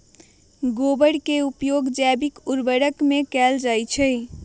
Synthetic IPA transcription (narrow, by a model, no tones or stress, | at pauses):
ɡobəɽkeupjoɡd͡ʒɛbikuɾbəɽəkmekɛld͡ʒajt͡ʃʰəɪ